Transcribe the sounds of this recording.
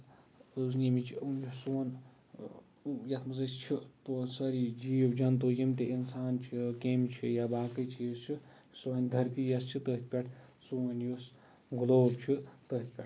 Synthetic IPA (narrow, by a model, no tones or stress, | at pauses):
znimit͡ʃʰiunjusoːn | jɐt̪ʰmɨzɐst͡ʃʰiposɐɾid͡ʒiːwd͡ʒɐnt̪oːjimt̪einsaːnt͡ʃʰikemt͡ʃʰijabaːkɨt͡ʃʰijist͡ʃʰi | sonʲd̪ʱɐɾt̪iːjɐst͡ʃʰit̪əɦt̪̚ʰʲpʲeʈʰsuːnjus | ɡuloːb̚t͡ʃʰit̪ət̪̚ʲʰpʲeʈ